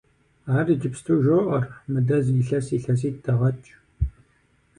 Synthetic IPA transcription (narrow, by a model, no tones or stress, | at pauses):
aːriːd͡ʒɪpstʰuːʒoʔɐrmɨdɐziɬɐsiːɬɐs̬iːtdɐʁɐt͡ʃʼ